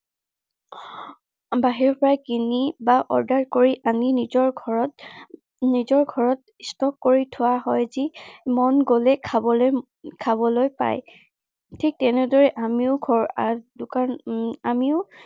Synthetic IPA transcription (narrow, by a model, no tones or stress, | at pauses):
baɦiɹɔpɔɹakinibaʔɔɹdaɹkoɹiʔaninizɔɹ | nizɔɹɡʱɔɹɔt̚ | stɔkkːoɹitʰʊwaɦɔjzimɔnɡolɛkʰabɔl | kʰabɔlojpa̰j | tʰik̚tɛnɛdɔɹɛʔamiʊɡʱɔɹadʊkanamiʊ